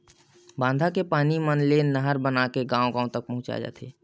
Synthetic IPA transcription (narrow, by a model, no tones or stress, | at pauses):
bãːnd̪ʱakepaːnimənlenəɦəɾbənakeɡãːõɡãːõt̪ək̚pəɦʊ̃t͡ʃa̰d͡ʒa̰ːt̪ʰḛː